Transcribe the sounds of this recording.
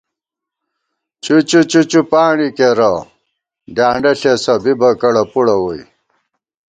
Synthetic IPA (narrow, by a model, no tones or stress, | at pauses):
t͡ɕut͡ɕut͡ɕut͡ɕupaːɳikeɾɐ | ɖjaːɳɖɐɬesɐbibɐkɐɽɐpuɽɐwoj